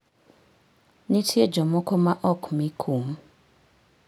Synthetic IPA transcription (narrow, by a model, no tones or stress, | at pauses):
nĩtʰied͡ʒɔmɔkʰɔmaʔɔkʰmikʰum̩